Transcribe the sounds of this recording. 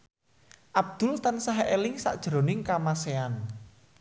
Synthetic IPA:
ʔab̚d̪̥ʊ̤lt̪ansaɦeʔelɪŋsa̰ʔd̥ʒ̥ɾo̤nɪŋkamasean

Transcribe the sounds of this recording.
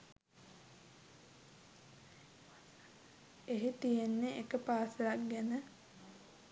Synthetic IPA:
eɦet̪ijenːeekəpaːsəlakɡɛnə

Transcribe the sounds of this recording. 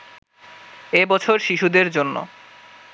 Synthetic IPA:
ebɔt͡ɕʰoɾʃiʃud̪eɾd͡ʑonːo̰

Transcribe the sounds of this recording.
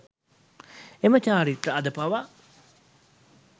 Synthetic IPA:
emət͡ʃaːɾiʈːəad̪əpaʋa

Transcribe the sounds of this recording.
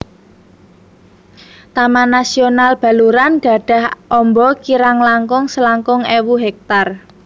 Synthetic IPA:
t̪amanasionalb̥a̤luɾanɡ̥ä̤ɖ̥ä̤hʔɔmbɔkiɾaŋlaŋkʊŋsəlaŋkʊŋewuɦɛk̚t̪ar

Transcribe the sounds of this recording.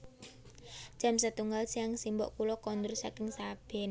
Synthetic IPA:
ʒ̥a̤msət̪uŋɡalsiaŋsimbɔ̰ʔkulɔkɔnd̪ursakɪŋsab̥ɛ̤n

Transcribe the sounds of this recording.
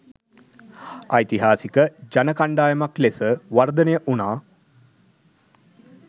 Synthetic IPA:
ajt̪iɦaːsikəd͡ʒanəkaɳɖaːjəmaklesəʋard̪ənejəʔunaː

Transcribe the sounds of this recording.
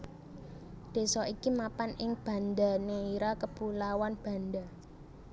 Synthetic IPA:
d̪̥e̤sɔʔikimapanʔɪŋb̥ä̤nd̪aneiɾakəpulawanb̥a̤nda

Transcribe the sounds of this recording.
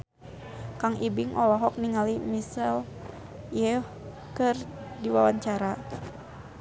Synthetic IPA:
kaŋibiŋʔɔlɔɦɔk̚niŋalimisɛl | jɛ | kɨrdiwawaɲt͡ʃaɾa

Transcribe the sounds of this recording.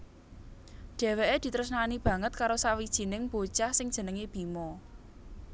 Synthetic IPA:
ɖ̥ɛ̤weʔed̪̥i̤t̪ɾəsnanib̥ä̤ŋət̪̚kaɾosawid̥ʒ̥i̤nɪŋb̥o̥t͡ʃahsɪŋ̥ʒ̥ə̤nəŋeb̥i̤mɔ

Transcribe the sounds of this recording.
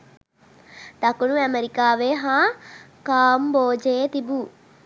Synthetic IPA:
t̪ɐkunuɐmeɾikaːʋeɦãː | kaːmboːd͡ʒeːt̪ibuː

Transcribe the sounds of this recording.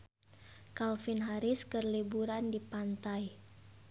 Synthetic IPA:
kalfinɦaɾɪskərlibuɾandipant̪aj

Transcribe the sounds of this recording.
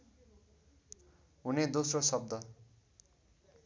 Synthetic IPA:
ɦuned̪osrosʌb̚d̪ʌ

